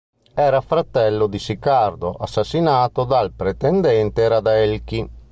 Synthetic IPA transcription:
ɛːɾafɾat̪ɛlːod̪isikard̪oʔasːasːinaːt̪od̪alpɾet̪ɛnd̪ɛnt̪eɾad̪ɛlk̟i

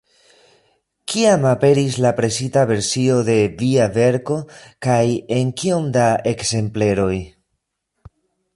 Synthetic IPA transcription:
kʰiamape̞ɾis̬lapɾe̞sitave̞ɾsio̞de̞viave̞ɾko̞kaje̞nkio̞mdae̞kse̞mple̞ɾo̞j

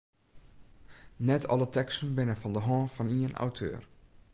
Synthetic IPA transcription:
nɛtʰɔ̰lətɛkstənbɪnəfɔndəɦɔ̃ːfɔniəna̰wtʰø̰ːr

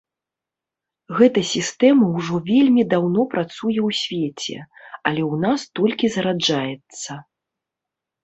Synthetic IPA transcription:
ɣɛt̪ɐsʲist̪ɛmɐwʐɔvʲelʲmʲid̪awnɔpɾat̪sujɛwsʲvʲet͡sʲɛ̰ɐlʲɛwnast̪ɔlʲkʲizɐɾad͡ʐajɛt̪sːɐ

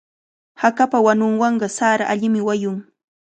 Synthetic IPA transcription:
hakapawanʊŋwɑɴɢɑsaɾaʔaʎɪmɪwajʊŋ

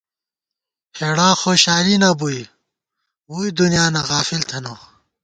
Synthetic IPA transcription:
heːɽaːxoːɕaːlinɐbuj | uːid̪unijaːnɐɣaːfilt̪ʰɐno

